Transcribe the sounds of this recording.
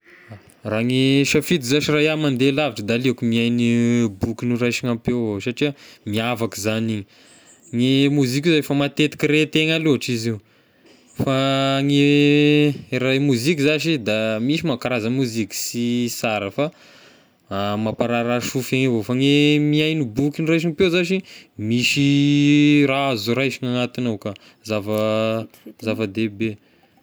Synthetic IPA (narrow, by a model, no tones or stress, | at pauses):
raŋeʃafit̪izaʃirajamand̪elaviʈ͡ʂəd̪aliakumiajnibukunurajʃiŋampewsaʈ͡ʂiəmiavakizaniɲi | ŋemuzik̬ʲizafamat̪et̪i̥kiɾet̪eŋaluɦaʈ͡ʂiziu | faŋe | ɾajmuzikʲizaʃid̪amiʃimakaɾazəmuzikʲi̥sisaɾəfa | mapaɾaɾaʃufaŋevofaŋemiajnibukʲinirajʃ̬iŋpewzaʃimiʃi | ɾaazuɾajʃiŋanat̪inaka | zavə | zavəd̪ebe